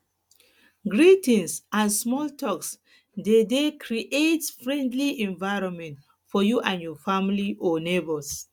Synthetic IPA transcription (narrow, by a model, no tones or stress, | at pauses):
ɡɹitĩnsãnsmɔltʰɔks | dedekʰɹiʔetfɹɛ̃ndliɛ̃ɱvaɪɹɔ̃nmɛ̃nt | fɔjuʔãnjɔfamliʔɔnebɔs